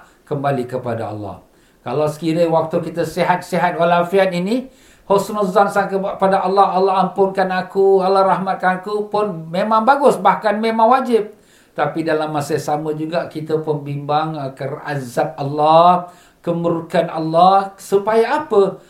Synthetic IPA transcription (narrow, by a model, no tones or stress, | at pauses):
kəmbalikəpada̰ɑ̰lːɑ̰h | kalawsə̥kiɾewak̚t̪ukit̪əsiɦat̪̚siɦat̪̚walafiat̪ini | hosnɔzansakəpadaʔalːɑɦalːɑɦampʊŋkanakualːɑhrahmat̪̚kanakupʊnmemãŋbaɡʊsbahkanmemãŋwad͡ʒɪp̚ | t̪apidalamːasəsaməd͡ʒuɡaʔkit̪əpənbimbaŋkəra̰zap̚ɑlːɑ | kəməɾukanalːɑhsupajaapə